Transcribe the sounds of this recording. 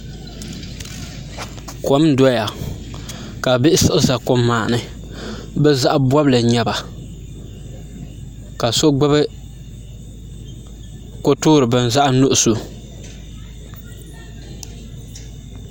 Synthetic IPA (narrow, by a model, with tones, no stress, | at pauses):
ko˦mdɔ˦ja˨ | ka˨bɪ˦ʔɪ˦sɨ˦ʔɨ˦za˨ko˦mːaː˨nɨ˨ | bɛ˦za˦ʔbwɔ˦blɨ˨ɲɛ˦ba˨ | ka˨so˦ɡ͡bɨ˦bɨ˦ | ko˦tʊː˦ɾɨ˨bɨ˦n˨za˦ʔnʊ˦ʔʊ˨su˨